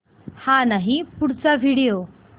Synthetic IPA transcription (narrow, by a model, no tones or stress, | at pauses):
hãnaɦipuɽt͡saʋʱiɽijo